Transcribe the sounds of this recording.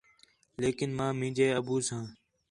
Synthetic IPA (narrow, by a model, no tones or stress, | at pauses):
leːkɪnmãːmĩːd͡ʒeːəbuːsãː